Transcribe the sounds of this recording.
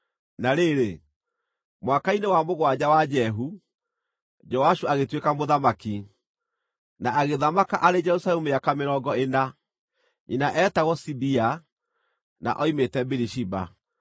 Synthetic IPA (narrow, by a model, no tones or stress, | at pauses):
naɾeɾe | mwakainewamoɣwad͡ʑawad͡ʒɛɦu | d͡ʒɔaʃuaɣetwekamoðamaki | naaɣeðamakaʔaɾed͡ʒɛɾusalɛmueakameɾɔːɡɔena | ḭnaʔɛtaɣɔsibia | na̰ʔɔimetɛbiɾiʃiba̰